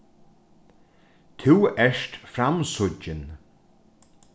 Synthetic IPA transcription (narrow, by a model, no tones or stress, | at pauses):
t̪ʰɪwɛʂtfɾamsʊt͡ʃːɪn